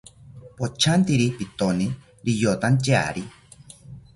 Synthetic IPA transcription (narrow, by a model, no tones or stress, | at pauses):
pot͡ʃʰant̪iɾipit̪oni | ɾijot̪ant͡ʃea̰ɾi